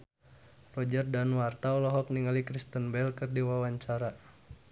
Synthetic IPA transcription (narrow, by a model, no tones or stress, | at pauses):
rɔd͡ʒərdanwart̪aɔlɔɦɔk̚niŋalikɾist̪ənbɛlkɨrdiwawaɲt͡ʃaɾa